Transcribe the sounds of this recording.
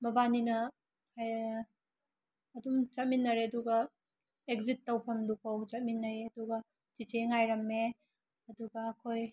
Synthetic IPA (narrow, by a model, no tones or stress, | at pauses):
mɐbaninɐ | haj | dumt͡ʃɐt̚minːɐɾeɐduɡɐ | ek̚zitːɐwpʰɐmdupɐwt͡ʃɐt̚minːɐjɐduɡɐ | t͡ʃit͡ʃeŋajɾɐmːe | ɐduɡɐːkʰoj